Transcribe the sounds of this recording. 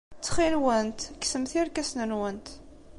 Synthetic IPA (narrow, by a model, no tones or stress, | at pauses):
t͡sːχilwənt̪ksəmθiɾkæsnənwənt̪